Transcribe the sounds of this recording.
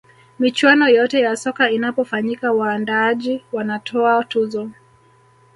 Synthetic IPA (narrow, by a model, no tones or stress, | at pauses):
mit͡ʃwanɔjɔtɛjasɔkainapɔfaɲikawaːndaaʄiwanatʰɔatuzɔ